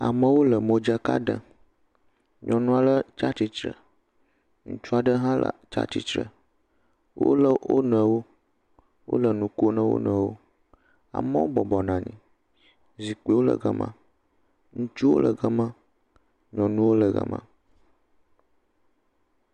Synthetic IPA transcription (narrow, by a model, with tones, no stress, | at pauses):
a̰˨mə̃˦wo˦lə˨mõ˦d͡ʒə˦ka̰˦ɖə̰˨ | ɲɔ̃˨nũ˦a˨lə˦t͡ʃa˦t͡ɕi˦t͡ʃɾə˨ | ŋṵ̃˦t͡ʃu˦a˨ɖə˦ɦã˦lə̰˨t͡ʃa̰˦t͡ɕi˦t͡ʃɾə̰˨ | wo̰˦lə˨wo̰˦nə̃˨wo˦ | wo̰˦lə˨nũ˨ko˦nə̃˦wo̰˦nə̃˨wo˦ | a̰˨mə̃˦wo˦bɔ˨bɔ˨nã˨ɲḭ̃˨ | zi˨k͡pe˦wo˦lə̰˨ɡə˦mã̰˦ | ŋũ˦t͡ʃu˦wo̰˦lə˨ɡə˦mã˦ | ɲɔ̃˨nũ˦wo˦lə˨ɣə̰˦mã̰˦